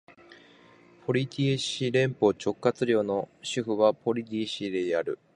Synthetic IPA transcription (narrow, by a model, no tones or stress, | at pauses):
pʰo̞ɾʲit̪ʲieɕiɾẽ̞mpo̞t͡ɕo̞kːat͡sɨɾʲjo̞ːno̞ɕɨɸɯ̟βapo̞ɾʲit̪̬ʲiɕid̪e̞jaɾɯ̟